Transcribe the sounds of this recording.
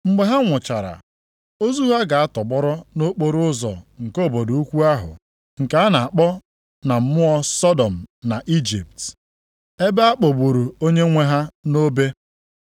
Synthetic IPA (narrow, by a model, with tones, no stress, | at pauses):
m̩˦ɡ͡be˨ɦa˦ŋʷʊ˨t͡ʃa˨ɾa̰˨ | o˦zu˦ɦa˦ɡa˨a˦tɔ˨bɔ˦ɾɔ˦no˦k͡po˦ɾʊ˦zɔ̰˨ŋ̩˨ko˦˨bo˨do˨u˦kʷu˦a˦ɦʊ̰˨ | ŋ̩˨ka˨˦a˦na˨a˨k͡pɔ˦ | na˨m̩˦mʊ˦ɔ˦sɔ˦dɔ˨m̩˨na˨ʔi˦d͡ʒi˨p̚t | e˦be˦a˦k͡po˨bu˨ɾu˨o˦ɲe˦ŋʷe˦ɦa˦no˦be˦